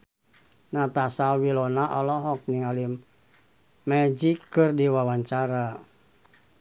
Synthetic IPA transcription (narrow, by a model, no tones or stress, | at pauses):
nat̪asawilɔnaʔɔlɔɦɔk̚niŋalimː | ɛd͡ʒikːɨrdiwawaɲt͡ʃaɾa